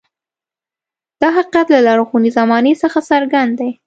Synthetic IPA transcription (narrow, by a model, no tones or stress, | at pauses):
d̪̥ɑɦaqiat̪lalɑɾoxunizamɑnesəxasaɾɡand̪d̪aj